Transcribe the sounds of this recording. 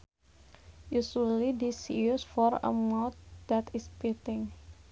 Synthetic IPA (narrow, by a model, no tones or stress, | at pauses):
jusulidisiusfɔɾə̰mot̪̚dat̪ispit̪ɪŋ